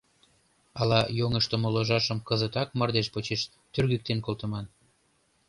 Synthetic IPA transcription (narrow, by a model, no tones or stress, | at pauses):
ɑlɑjoŋəʃt̪ŏmoloʒɑʃəmkəzət̪ɑk̚mɤrd̪eʃpot͡ɕeʃ | t̪yrɣyk̚t̪enkolt̪ə̆mɑn